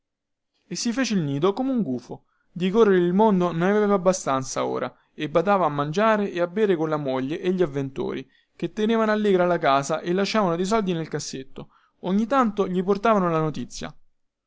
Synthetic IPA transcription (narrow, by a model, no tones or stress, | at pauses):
esːifeːt͡ʃeilniːd̪okomeuŋɡuːfo | d̪ikorːeɾeilmond̪ononaveeːvaːbːast̪ant̪sao̰ːɾʔa | ebːad̪aːvaːmːand͡ʒaːɾeʔeabːeːɾekonlamoʎːeʔeʎːiavːent̪o̰ːɾi | ket̪ːeneːvanoalːeːɡɾalakaːzaʔelːaʃːaːvanod̪ejs̬ɔld̪inelkasːet̪ːo | oɲːit̪ːant̪oʎiport̪aːvanolanot̪it̪sːja̰